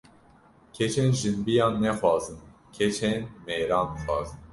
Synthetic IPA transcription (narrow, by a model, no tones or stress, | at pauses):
kʰɛt͡ʃʰɛnʒɨnbijɑːnːɛxwɑːzɨn | kʲʰɛt͡ʃʰɛnmɛːɾɑːnxwɑ̰ːzɨn